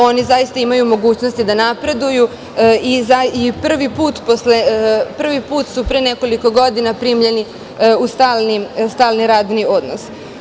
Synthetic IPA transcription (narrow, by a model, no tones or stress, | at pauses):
o̞nizajist̪aimajumo̞ɡuːt͡ɕnost̪id̪anapɾe̞d̪uju | izaipr̩ʋipuːt̪poslepr̩ʋipuːt̪supɾeneko̞liko̞ɡo̞d̪inapɾiːmʎe̞ni | ust̪aːlˠnist̪aːlˠniɾaːd̪nio̞d̪nos